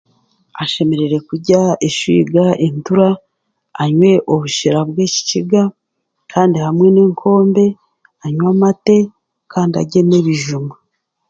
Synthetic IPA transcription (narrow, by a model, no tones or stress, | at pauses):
aʃe̞me̞ɾe̞ɾe̞kuɟaeʃwḭɡaʔentuɾaː | ɲwe̞ʔoβuʃiɾabɡwe̞ːci̥ciɡa | kʰaːndihamŋe̞neːŋkʰo̞ːmbe̞ | aɲwamate̞ | kaːndia̰ɟe̞neβiʒumu